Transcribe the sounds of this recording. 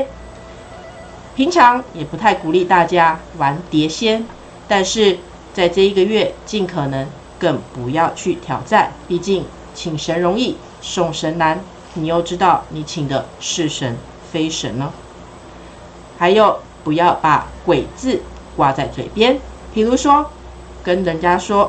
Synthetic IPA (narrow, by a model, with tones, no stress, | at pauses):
pʰi˧˥ŋʈ͡ʂʰɑ˧˥ŋjɛ˨˩pu˧˥t̪ʰa˥˩ɪku˨˩li˥˧t̪a˥˩t͡ɕja˥wa˧˥nt̪jɛ˧˥ɕjɛ˥n | t̪a˥˧nʂɻ̩˥˧ | t͡sa˥˧ɪt͡sɤ˥˧i˧˩ɡə˨ɥɛ˥˧t͡ɕi˥˩nkʰɤ˨˩nɤ˧˦ŋ | kə˥˩ŋpu˧˥jɑ˥˧ʊt͡ɕʰy˥˩t̪ʰjɑ˨˥ʊt͡sa˥˧˩npi˥˧t͡ɕi˥˩ŋ | t͡ɕʰi˨˩ŋʂə˧˥nɻʊ˧˥ŋi˥˩ | ʂo˥˩ŋʂə˧˥nna˧˥n | ni˨˩jo˥˧ʊʈ͡ʂɻ̩˥t̪ɑ˥˩ʊni˨˩t͡ɕʰi˨˩ŋd̪ə˦ʂɻ̩˥˩ʂə˧˥n | fe˥ɪʂə˧˥nnə˧˦ | ha˧˥ɪjo˨˩ʊ | pu˧˥jɑ˥˩ʊpa̰˨˩kwe˨˩ɪt͡sɹ̩˥˩ | kwa˨˩t͡sa˥˩ɪt͡swe˨˩ɪpjɛ˥npʰi˨˩lu˧˥ʂwɔ˥ | kə˥nlə˧˥nt͡ɕja˥ʂwɔ˥